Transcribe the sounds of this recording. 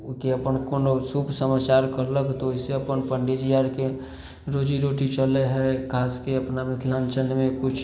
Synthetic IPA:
keɐpənkonosupʰsəmaːt͡ʃaːɾkəɾləkt̪oɪseɐpənpəɳɖed͡ʒijaːɾke | ɾoːd͡ʒiɾoːʈit͡ʃəleɦɛkʰaːskeɐpnamɪt̪ʰlãːnt͡ʃənmẽkʊt͡ʃʰ

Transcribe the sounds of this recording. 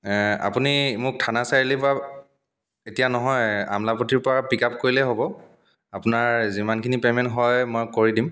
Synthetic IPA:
a̰punimʊk̚tʰanasaɹilipa | etijanɔɦɔja̰mlapotiɹpɔɹapikap̚koɹilɛɦobɔ | apʊnaɹzimankʰinipemɛntɦɔjmojkoɹidim

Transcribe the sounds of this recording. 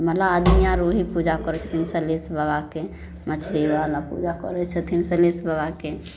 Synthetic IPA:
məlaəd̪mijãɾoɦipud͡ʒakɔɾɛt͡ʃʰə̥t̪ʰimsəlesbəbake | mət͡ʃʰɾibalapṵd͡ʒakɔ̰ɾɛt͡ʃʰət̪ʰimsə̃lesbəbake

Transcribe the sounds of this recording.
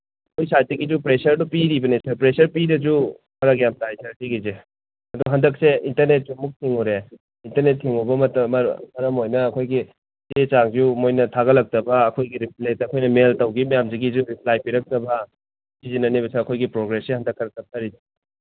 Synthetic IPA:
kʰojsajt̚ːɐɡizupɾesɐɾdupiɾibɐnesɐpɾesɐɾpidɐzu | mɐɾɐɡjamtajsʰɐɾkʰiɡize | ɐduɡɐɦɐndɐk̚seintɐɾnet̚zumuk̚tʰiŋuɾe | intɐɾnet̚ʰːiŋubɐmɐtɐm̰mɐɾɐmojnɐːkʰojɡi | set͡ʃaŋzumojnɐtʰaɣɐlɐk̚tɐbɐːkʰojɡiɾipletɐkʰojnɐmeltɐwɡimɐjamziɡizuɾiplajpiɾɐk̚tɐbɐ | sizinɐniβɐseɐkʰojɡipɾoɡɾesihɐndɐkʰːɐɾɐk̚tɐp̚tʰɐɾiti

